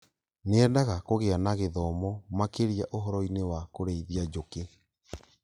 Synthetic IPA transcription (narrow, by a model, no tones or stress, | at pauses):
neɛdaɣakoɣeanaɣeðɔmɔmakeɾijaʔoɦɔɾɔinewakoɾeiðiad͡ʒoke